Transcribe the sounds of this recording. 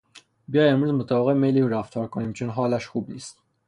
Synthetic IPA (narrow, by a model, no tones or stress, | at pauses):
bijɒːjemɾuːzmot̪ʰæːbeɣemeliuɾæft̪ʰɒːɾkʰoniːmt͡ʃʰonɦɒːlæʃxuːbniːst̪